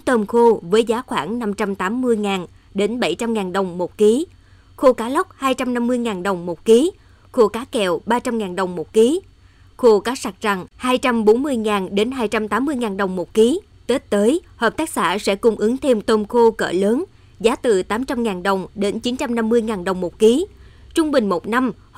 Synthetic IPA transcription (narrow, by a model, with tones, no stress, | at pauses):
t̪əː˧mxo˧vəː˨˦jzaː˨˦xwaː˧˩ŋna˧mt͡ɕa˧mt̪aː˨˦mːɨ˧əjŋaː˨˩n | ɗe˨˦nɓə˧˩jt͡ɕa˧mŋaː˨˩nɗə˨˩wŋ͡mmo˨˩t̚ki˨˦ | xo˧kaː˨˦lə˦˥wk͡p̚haː˧jt͡ɕa˧mna˧mːɨ˧əjŋaː˨˩nɗə˨˩wŋ͡mmo˨˩t̚ki˨˦ | xo˧kaː˨˦kɛ˨˩wɓaː˧t͡ɕa˧mŋaː˨˩nɗə˨˩wŋ͡mmo˨˩t̚ki˨˦ | xo˧kaː˨˦sa˨˩k̚za˨˩ŋhaː˧jt͡ɕa˧mɓo˨˦nmɨ˧əjŋaː˨˩nɗe˨˦nɦaː˧jt͡ɕa˧mt̪aː˨˦mːɨ˧əjŋaː˨˩nɗə˨˩wŋ͡mmo˨˩t̚ki˨˦ | t̪e˦˥t̚t̪əː˨˦jhəː˨˩p̚t̪aː˦˥k̚sa̰ː˧˩sɛ̰˧˥kʊ˧ŋ͡mʔɨ˨˦ŋt̪ʰe˧mt̪o˧mxo˧kə̰ː˧˩ləː˨˦n | zaː˨˦t̪ɨ˨˩t̪aː˨˦mt͡ɕa˧mŋaː˨˩nɗə˨˩wŋ͡mɗe˨˦nt͡ɕi˨˦nt͡ɕa˧mna˧mːɨ˧əjŋaː˨˩nɗə˨˩wŋ͡mmo˨˩t̚ki˨˦t͡ɕʊ˧ŋ͡mɓï˨˩ŋ̟mo˨˩t̚na˧m